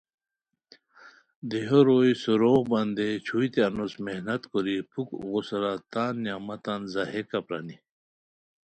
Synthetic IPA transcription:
d̪eɦoɾoːjsuɾoːɣbɐnd̪et͡ɕʰujt̪eɐnosmehnɐt̪koɾipʰukɣusɾat̪aːnːjaːmɐt̪anzahekapɾa̰ni

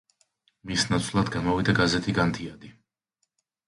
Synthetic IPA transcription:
misnat̪sʰlˠad̪ɡamɔvid̪aɡazɛt̪ʰiɡant̪ʰiad̪i

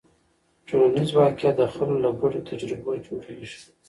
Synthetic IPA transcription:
d͡ʒoanizwɑkɪat̪̚d̪əxəlolaɡaɽot̪ʰad͡ʒɾɪbod͡ʒoɽeʒi̥

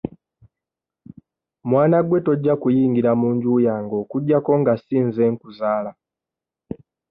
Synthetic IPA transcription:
mwaːnaɡwe̞to̞ɟːakujiːŋɡiɾamuːɲɟuːjaːŋɡo̞ːkuɟːako̞ŋɡasiːnze̞ŋkuzaːla

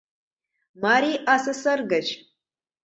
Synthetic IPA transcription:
maɾiʔasɐsɐrɡɐt͡ʃʰ

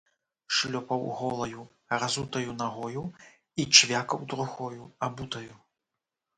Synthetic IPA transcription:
ʂlʲɔpɐwɣɔlˠɐju | razut̪ɐjunaɣɔju | it͡ʂvʲakɐwd̪ɾuxɔjuabut̪ɐju

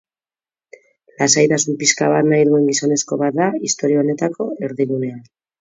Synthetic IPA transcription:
lasajt̪asumpiskaβat̪najðue̞ŋɡiso̞ne̞sko̞βat̪̚d̪aist̪o̞ɾiaone̞t̪akʰo̞e̞ɾðiɣune̞an

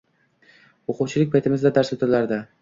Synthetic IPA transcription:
oqʊwt͡ʃʰɪlɪk̚ʲpʰajt̪ʰɪmɪzd̪ad̪aɾsɵt̪ɪɾlaɾd̪ɪ

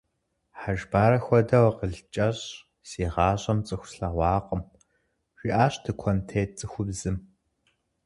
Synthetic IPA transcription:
ħaʒbaːɾɐxʷɔdɐwqəɮt͡ʃʼɐɕ | seːʁɑːɕʼɐmt͡sʼɨxʷsɬawʷɑːqʼəm | ʒʷiʔaːɕtʰɨkʷʰɔntʰeːt͡sʼɨxʷʊbzɨm

